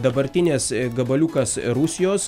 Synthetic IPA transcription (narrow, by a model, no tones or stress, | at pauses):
d̪ɐbɐɾʲt̪ʲɪnʲeːsɡɐbɐlʲukɐsɾʊsʲɪjoːs